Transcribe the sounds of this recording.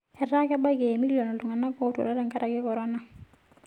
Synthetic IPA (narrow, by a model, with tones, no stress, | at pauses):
ɛ˨ra˦kɛ˦ba˦ke˨mi˦ljɔ˨nɔ˨tu˨ŋa˨na˦kɔ˦tṵ˨ɾa˦ɾɛ˦ŋka˦ɾa˨kɪ˦kɔ˨ɾɔ˦na˦